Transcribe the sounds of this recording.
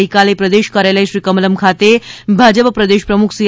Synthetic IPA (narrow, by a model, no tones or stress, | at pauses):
ikalepɾəd̪eːʃkaɾjaləjʃɾiːkəmələmkʰat̪ebʱad͡ʒəppɾəd̪eːʃpɾəmukʰsi